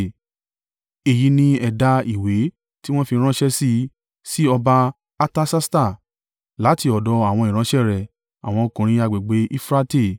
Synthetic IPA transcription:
e˨ji˨˧nĩ˧ɛ˨da˧i˨we˨˦ | ti˦w̃ɔ̃˦fi˧ɾ̃ã˦ʃɛ˦si˦˧ | si˦ɔ˧ba˧ | a˧ta˦sa˦sta˦˨ | la˨˦ti˧ɔ˨dɔ˨˧a˦˨w̃ɔ̃˧i˨ɾ̃ã˧˦ʃɛ˦˨ɾɛ˨ | a̰˨w̃ɔ̃˧o˧kũ˨ɾ̃ĩ˧˦a˧ɡ͡be˨ɡ͡be˨˦ʔi˦fɾa˦te˦˨

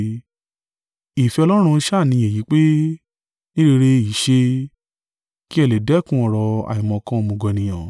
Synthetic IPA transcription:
i˨fɛ˧ɔ˧lɔ˦ɾ̃ũ˧˦ʃa˦˨nĩ˧˦e˨ji˨˦k͡pe˦ | nĩ˦ɾe˧ɾe˧˦i˨ʃe˧ | ki˦ɛ˦˧le˨dɛ˦˨kũ˦ɔ˦˨ɾɔ˧a̰˨i˨mɔ̃˨kã˦˧mõ˧ɡɔ˧˨nĩ˨j̃ã˨

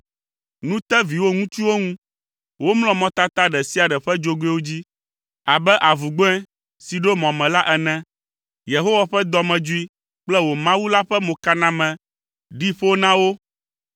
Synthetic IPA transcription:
nũ˦t̪ɛ˦vi˨wo˦ŋũ˦t͡ʃu˦wo˦ŋũ˦ | wo˦mlɔ̃˦mɔ̃˦t̪a˦t̪a˦ɖɛ˨si˦a˨ɖɛ˨ɸɛ˦d͡ʒo˦ɡe˦wo˦d͡ʑi˦ | a˨bɛ˦ʔa˨vu˨ɡ͡bo˦ɛ̃˦ | si˨ɖo˦mɔ̃˨mɛ̃˨la˦ʔɛ˨nɛ̃˦ | je˨ɦo˦wa˨ɸɛ˦d̪ɔ˨mɛ̃˨d͡ʒu˦i˦ | k͡plɛ˦wo˨mã˦wu˦la˦ɸɛ˦mõ˨ka˦nã˦mɛ̃˨ | ɖi˦ɸo˦nã˦wo˦

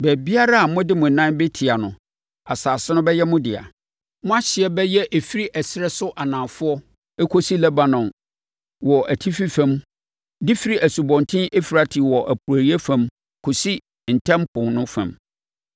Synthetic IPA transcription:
bɛ˨bi˦a˦ɾa˦a˨mʊ̃˦dɪ˦mʊ̃˨n˨nã˦nbe˦tʰi˨a˨nʊ̃˨ | a˨saː˨sɪ˦nʊ̃˦bɛ˦jɛ˦mʊ̃˦dɪ˨a̰˨ | mʊ̃˦a˦ɕɪ˨ɛ˦bɛ˦jɛ˦ʔe˨fi˦ɾi˦ʔɛ˨sɪ˦ɾɛ˦sʊ˦ʔa˨nã˨fʊ˦ɔ˦ | e˦kʰo˦si˦lɛ˦ba˨nɔ̃˨n | wɔ˨ʔæ˨tʰi˦fi˦fɛ̃˦m | dɪ˦fi˦ɾi˦ʔæ˨su˨bɔ̃˨ntʰɪ̃˦ʔe˦fi˨ɾa˨tʰɪ˨wɔ˨ʔæ˨pʰu˨ɾæ˨ɾi˦e˦fã˨m | kʰo˨si˦ | n̩˨tʰɛ̃˦mpʰʊ̃˨ŋnʊ̃˦fã̰˨m

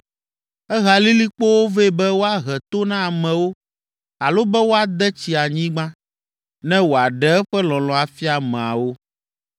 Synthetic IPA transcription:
ɛ˦ɣa˨li˦li˦k͡po˦wo˦ve˦˨bɛ˦wo˦a˦ɣɛ˨t̪o˦nã˦a˨mɛ̃˨wo˦ | a˨lo˦bɛ˦wo˦a˨d̪ɛ˦t͡ɕi˨a˨ɲĩ˦ɡ͡bã˦ | nɛ̃˦wo˨a˨ɖɛ˦ɛ˦ɸɛ˦lɔ̃˨lɔ̃˨a˨fi˦a˨mɛ̃˨a̰˨wo˦

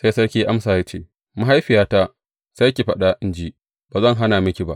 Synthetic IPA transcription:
sa˦jsɐ˦ɽkʲiː˦ʔa˦msaː˨ja˦t͡ʃeː˦ | ma˦ɦa˦jɸɪ˨jaː˦ta˦ | sa˦kʲi˨ɸɐ˦ɗa˦ʔɪ˦nd͡ʒi˦ | b̥aː˨zɐ˦ŋɦa˦naː˨mɪ˦kʲi˨ba̰˦ʔ

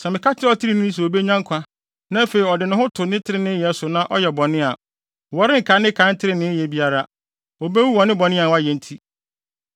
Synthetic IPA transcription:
sɛ˨mɪ̃˨kʰa˦tʰɪ˦ɔ˦tʰɪ˦ɾi˨nɪ̃˦n̩˦s̬ɛ˨o˨be˦ɲã˦ŋ˦kʷʰa˦ | nã˦fe˨i˨ɔ˨dɪ˨nʊ̃˦ɦʊ̃˦tʰʊ˨nɪ̃˦tʰɪ˦ɾɪ˨nɪ̃˦jɛ˨˦sʊ˨nã˦ʔɔ˦jɛ˨bɔ̃˨nɪ̃˦a˨ | wɔ˨ɾɪ̃˦ŋ̩˨kʰa˨˦nɪ̃˦kʰã˨˦n̩˦tʰɪ˦ɾɪ˨nɪ̃˦jɛ˨bi˦a˦ɾa˦ | o˨be˦wu˦wɔ˨nɪ̃˦bɔ˨nɪ̃˦a˨wɔ˦a˦jɛ˨n̩˦tʰi˦

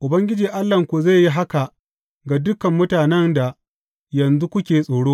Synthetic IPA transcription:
ʔʊ˨bɐ˦ŋɡʲɪ˦d͡ʒiː˨ʔa˦lːɐ˨ŋkʷu˨za˦˨jːi˦ɦa˦ka˨ʔ | ɡa˨dʊ˦kɐ˨mːʊ˦taː˨nɛ˦nda˨ | jɐ˨nzu˦kʷʊ˦kʲeː˨sʼoː˨ɽoː˦

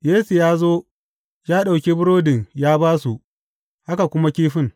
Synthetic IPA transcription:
jeː˦su˨jaː˦zoː˦ | jaː˦ɗa˨wkʲeː˦bʊ˦ɽɾoː˦dɪ˨ŋjaː˦baː˦su˨ʔ | ha˦ka˨kʷʊ˦ma˦kʲiː˦ɸɪ˦ŋ

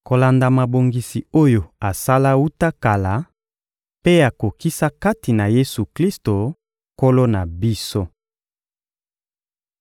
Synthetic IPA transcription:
ko˨la˨nda˨ma˨bo˨ŋɡi˨si˨o˦jo˨a˨sa˦la˦u˦ta˦ka˨la˨ | pe˦a˨ko˨ki˦sa˦ka˦ti˨na˨je˦su˨kli˦sto˨ | ko˦lo˦na˨bi˦so˦

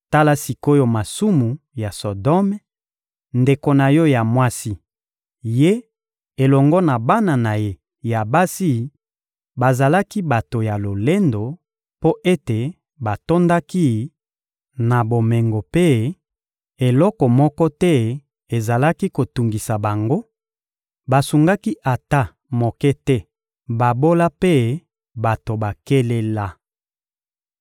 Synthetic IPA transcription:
ta˦la˦si˨ko˦jo˦ma˨su˦mu˨ | ja˨so˨dɔ˦m˦ | nde˨ko˨na˨jɔ˦ja˨mwa˦si˦ | je˦ | e˨lɔ˨ŋɡɔ˦na˨ba˦na˨na˨je˦ | ja˨ba˦si˦ | ba˨za˨la˦ki˦ba˨to˨ja˨lo˨le˦ndo˨ | po˦ʔe˦te˨ | ba˨to˦nda˦ki˦ | na˨bo˨me˨ŋɡo˨pe˦ | e˨lɔ˦kɔ˨mɔ˦kɔ˦tɛ˦ | e˨za˨la˦ki˦ko˨tu˨ŋɡi˨sa˨ba˨ŋɡo˦ | ba˨su˨ŋɡa˦ki˦ʔa˨ta˦ | mo˨kɛ˦tɛ˦ | ba˨bo˦la˦pe˦ | ba˨to˨ba˨ke˦le˦la˦

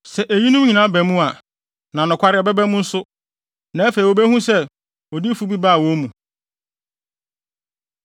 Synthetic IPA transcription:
sɛ˨ʔæ˨ji˦nʊ̃˦m˦ɲĩ˨nã˨˦bæ˨mũ˦a˨ | nã˨nʊ̃˨kʷʰa˦ɾɪ˨ɔ˨bɛ˦bɛ˦mʊ̃˦n̩˦sʊ˦ | nã˨˦æ˦fe˨i˨wo˨bæ˦hũ˦sɛ˦ | ɔ˨di˦fu˦bi˦ba˦a˨wo˨˦mũ˨

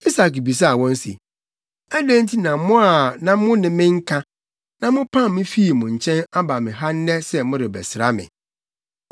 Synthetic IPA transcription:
i˦sa˨kbi˨s̬a˦˨wɔ̃˦n̩˦sḭ˨ | æ˦dæ̃˦n̩˦tʰi˦nã˨mʊ̃˦a˨nã˨mʊ̃˦nɪ̃˨mɪ̃˦ŋ̩˦kʰã˦ | nã˨mʊ̃˦pʰã˦˨m˦mɪ̃˦fi˦i˨mʊ̃˨ɲ̩˨t͡ɕʰɛ̃˦na˦ba˨mɪ̃˨ɦa˦n̩˦nɛ˦sɛ˦mʊ̃˦ɾɪ˨bɛ̰˨sɪ˨ɾa˦mɪ̰̃˨

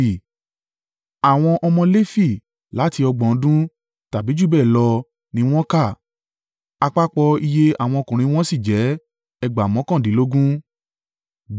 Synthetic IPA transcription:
a˨w̃ɔ̃˧ʔɔ˧mɔ̃˧le˦fi˦˨ | la˨˦ti˧ɔ˧ɡ͡bɔ̃˨˦dũ˦ | ta˨bi˨˦d͡ʒu˦˨bɛ˦˨lɔ˧ | nĩ˧˦w̃ɔ̃˦ka˦˨ | a˧k͡pa˦k͡pɔ˧i˧je˦a˨w̃ɔ̃˧ɔ˧kũ˨ɾ̃ĩ˧˦w̃ɔ̃˦si˦˨d͡ʒɛ˨˦ | ɛ˧ɡ͡ba˨mɔ̃˨˦kã˦˨dĩ˨˦lo˦ɡũ˦

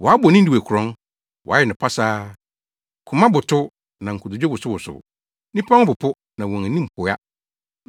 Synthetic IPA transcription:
wɔ˨a˦bɔ˨nĩ˦di˨æ˨kʰʊ˨ɾɔ̃˦n | wɔ̰˨a˦ɛ˨nʊ̃˨pʰa˦saː˦ | kʰʊ˨mã˦bʊ˨tʰʊ˦ | nã˨ŋ̩˨kʰʊ˨dʊ˨d͡ʑɔ˦bʊ˨sʊ˦wʊ˨sʊ̰˨ | nĩ˦pʰã˦ŋʊ˦bʊ˨pʰʊ˦ | nã˨wɔ̃˨ŋæ˨nĩ˦m̩˨pʰʊ˨˦a˦

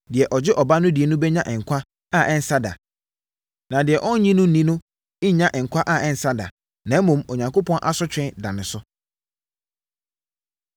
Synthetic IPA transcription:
dɪ˨ɛ˨ʔɔ˨d͡ʑɪ˦ʔɔ˨ba˦nʊ̃˦dɪ˨ɛ˨nʊ̃˦bɛ˦ɲã˦˨ʔɛ̃˨ŋ̩˨kʷʰa˦ | a˦˨ɛ̃˦n̩˦sa˦da̰˨ | nã˨dɪ˨ɛ˨ʔɔ̃˦n˦ɲĩ˦nʊ̃˦n̩˦nĩ˦nʊ̃˦ | ɪ˦ɲã˦ʔɛ̃˨ŋ̩˨kʰʷa˦ʔa˦˨ɛ̃˨n̩˨sa˦da̰˨ | nã˨˦mũ˨mɔ˨ɲã˨ŋkʰo˦pʰɔ̃˦nʔa˦sʊ˦t͡ɕᶣɪ̃˦da˨nɪ̃˨sʊ˦

